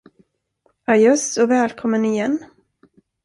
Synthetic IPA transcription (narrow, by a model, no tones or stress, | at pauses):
ajɵsɔvɛːlkʰɔmːənɪjɛnː